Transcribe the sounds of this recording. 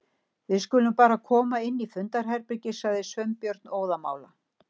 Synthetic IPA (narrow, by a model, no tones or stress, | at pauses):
vɪðskʏːlʏmpaːɾakʰɔːmaɪnːifʏnt̪aɾ̥ɦɛɾpɾɪcɪsaðɪsvœɥmpjœɾt̪noːwðama̰ːwla